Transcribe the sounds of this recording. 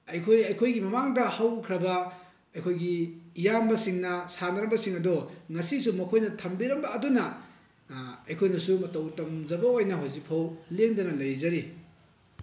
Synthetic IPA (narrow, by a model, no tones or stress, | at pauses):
ɐjkʰojɐjkʰojɡimɐmaŋdɐhɐwkʰɾɐbɐ | ɐjkʰojɡijambɐsiŋnɐsanɐɾɐmbɐsiŋɐdɔŋɐsisumɐkʰojnɐtʰɐmbiɾɐmbɐːdunɐ | ɐjkʰojnɐsumɐtɐwtɐmd͡ʒɐbɐojnɐɦozipʰɐwleŋdɐnɐlɐjzɐɾi